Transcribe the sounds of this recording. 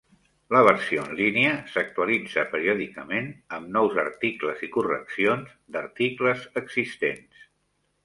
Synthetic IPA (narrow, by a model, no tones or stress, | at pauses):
ləβəɾsioənliniəsək̚t̪uəlid͡zəpəɾiɔðikəmenəmnɔwzə̰ɾt̪ikləzikurə̰ksionz | d̪əɾt̪ikləzəɡzist̪ens